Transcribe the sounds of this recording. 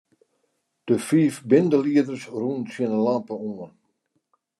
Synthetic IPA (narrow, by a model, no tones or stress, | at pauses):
d̥əfiːfbɪndəliədərsruːnsɪənəlampəuən